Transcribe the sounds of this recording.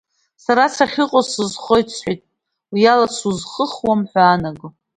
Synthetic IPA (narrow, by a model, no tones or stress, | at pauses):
saɾat͡sʰaχʲɪqʼosɨzχojt͡sʰħʷijtʼ | ljalat͡sʰuzχəχwamħʷᶣaːnaɡɨ